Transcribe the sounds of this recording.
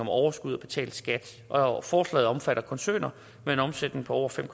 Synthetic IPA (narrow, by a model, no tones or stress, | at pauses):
ɒ̽mɒʊɐsɡ̥uð̞̰ˠɒb̥e̝t͡sʰɛ̰ːld̥sɡ̥æd̥ | ʔɒfɒːslɛ̰ːð̩ˠɒ̽mfæɾ̥ɐkʰɒ̽nsø̰ːnɐ | mee̝nɒ̽msed̥ne̝ŋpʰɒ̽ɒʊ̰ɐfem̰kʰ